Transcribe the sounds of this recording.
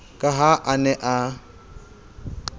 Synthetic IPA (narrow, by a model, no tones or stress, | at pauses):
kʼaɦaʔanɛʔa